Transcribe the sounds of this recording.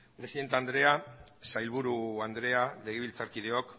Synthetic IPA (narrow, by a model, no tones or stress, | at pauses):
pɾe̞siðe̞nt̪eand̪ɾe̞asajlβuɾuand̪ɾe̞ale̞ɣ̞eβ̞ilt͡saɾkið̞e̞ok